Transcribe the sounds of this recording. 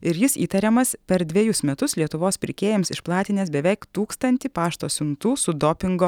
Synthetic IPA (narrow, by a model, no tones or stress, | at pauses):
ɪɾjɪsiːt̪ɐɾʲɛmɐspʲɛɾd̪ʲʋʲiɛjʊsmʲɛt̪ʊslʲiɛt̪ʊʋoːspʲɪɾʲkʲeːjɛmsɪʃplˠɑːt̪ʲɪnʲeːs̬bʲɛʋʲɛɪkt̪uːkst̪ɐnʲt̪ʲipɑːʃt̪oːsʲʊnt̪uːsʊd̪oːpʲɪŋɡo